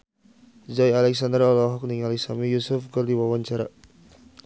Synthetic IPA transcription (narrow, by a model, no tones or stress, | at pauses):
zajalɛksand̪əɾalɔɦɔk̚niŋalɛksamijusʊfɡərdiwawaɲt͡ʃaɾa̰